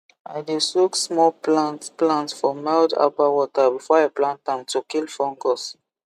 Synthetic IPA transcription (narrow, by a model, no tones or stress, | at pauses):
a̰ɪdesuksmɔlplantplãntsfɔmalda̰pawɔtabifɔaplãntãmtukilfɔ̃ŋɡɔs